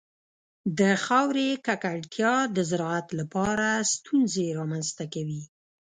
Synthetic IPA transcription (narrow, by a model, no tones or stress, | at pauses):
d̪əxɑwɾekakaɽt̪ʰjɑd̪əzaɾɑat̪lapɑɾast̪unzeɾɑmanzt̪akawi